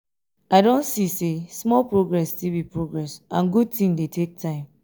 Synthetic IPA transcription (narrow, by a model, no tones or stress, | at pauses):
aɪdõnsisesmɔlpɹoɡɹɛstilˠbipɹoɡɹɛsãnɡud̚tĩŋdetʰek̚tʰãɪ̃m